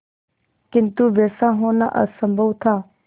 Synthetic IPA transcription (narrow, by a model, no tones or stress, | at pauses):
kɪnt̪uʋeːsãɦoːnaʔə̰səmbʱəwt̪ʰaː